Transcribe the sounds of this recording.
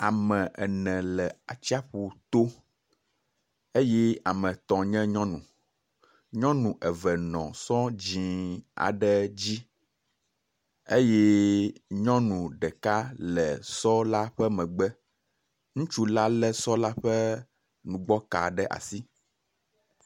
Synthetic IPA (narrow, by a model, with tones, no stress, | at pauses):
a˨mɛ̃˨ʔɛ˨nɛ̃˨lɛ˨a˨t͡ɕi˦a˦ɸu˨t̪o˦ | e˦jɛ˦a˨mɛ̃˨t̪ɔ̃˨ɲɛ̃˦ɲɔ̃˦nũ˨ | ɲɔ̃˦nũ˨ʔɛ˨vɛ˨nɔ̰̃˨sɔ̃˦d͡ʑĩ˨a̰˨ɖɛ˦d͡ʑi˦ | e˦je˦ɲɔ̃˦nũ˨ɖɛ˨ka˦lɛ˨sɔ˦la˦ɸɛ˦mɛ̃˨ɡ͡bɛ˦ | ŋũ˦t͡ʃu˦la˦lɛ˦sɔ˦la˦ɸɛ˦ | nũ˨ɡ͡bɔ˦ka̰˨ɖɛ˦ʔa̰˨si˦